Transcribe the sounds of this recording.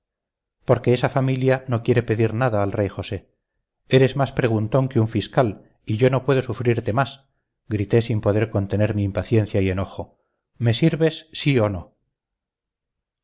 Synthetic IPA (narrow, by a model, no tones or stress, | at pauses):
po̞ɾke̞esafamiljano̞kje̞ɾe̞pe̞ðiɾnaðaːlre̞jxo̞se̞ | e̞ɾe̞zmaspɾe̞ɣ̞unt̪o̞ŋkeuɱfiskal | iʝo̞no̞pwe̞ð̞o̞sufɾiɾt̪e̞mas | ɡɾit̪e̞simpo̞ðe̞ɾko̞nt̪e̞ne̞ɾmiːmpaθje̞n̟θjaie̞no̞xo̞ | me̞siɾβe̞sːio̞no̞